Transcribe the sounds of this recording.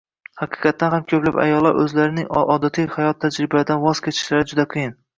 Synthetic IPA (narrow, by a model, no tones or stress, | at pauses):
hɑqʰɨ̥qʰɑt̪ʰːanɦamkʲʰɵplapa̰jɒlˠːaɾʔɵzlaɾɪnɪŋɒd̪at̪ʰihajɒt̪ʰːad͡ʒɾɪbasd̪anvɒzkʲʰet̪ʰɪ̥ʃlaɾɪd͡ʒʊd̪aqʰɨjɪn